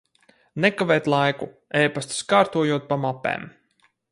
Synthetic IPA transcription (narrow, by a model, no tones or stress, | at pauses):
nɛkavɛːt̪lˠajku | ɛjpast̪skaːɾt̪uɔjuɔt̪̚pamapɛ̰ːm